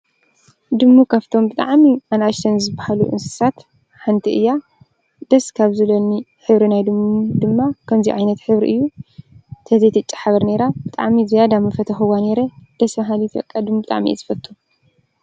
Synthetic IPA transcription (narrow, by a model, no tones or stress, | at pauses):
d̪ɨmːukʰaβt̪ʰo̞mbɨt̪ʼa̰ʕmiʔanaʃt̪ʰɐnzɨbahalṵʔɨ̰nsɨ̥sat̪ | ħant̪ʰiʔɨjːa | d̪̥ɐskʰaβzɨlɐni | ħɨβɾinajd̪ɨmːuud̪ɨmːakʰɐmziʕajnɐt̪ħɨβɾḭʔɨ̰jːu | t̪ʰɐzejt̪ʰɐt͡ʃʼːḁħaβɐɾneɾab̥ɨt̪ʼa̰ʕmizijad̪amɐfɐt̪ʰɐxɨwaneɾɐd̪̥ɐsmaɦalit̪bɐ̰kʼːad̪ɨmubɨt̪ʼa̰ʕmiʔḛzɨfɐt̪ʰːu